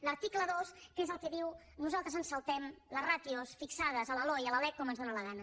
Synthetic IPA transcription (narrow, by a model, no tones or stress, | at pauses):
ləɾt̪ikləðoskezəlˠkɛðiw | nuzalˠt̪ɾəzənsəlˠt̪ɛmləzrat̪iosfiksað̞əzələlɔjələlɛk̚kɔmənzðonələɣ̞anə